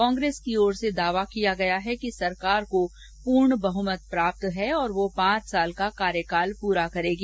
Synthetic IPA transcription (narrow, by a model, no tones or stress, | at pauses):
kɔ̃ːŋɡɾeːskiɔːɾsed̪aːʋakijaɡɐjaɦɛkisɐɾkaːɾko | puːɾɳbɐɦʊmət̪̚pɾaːp̚t̪ɦɛɔːɾʋopãːt͡ʃsaːlkakaːɾjəkaːlpuːɾakɐɾeːɡi